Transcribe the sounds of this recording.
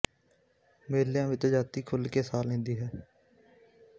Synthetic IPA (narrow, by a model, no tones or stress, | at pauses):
meːljãːʋɪt͡ʃd͡ʒaːt̪iːkʰʊlkeːsaːlẽːnd̪iːɦɛː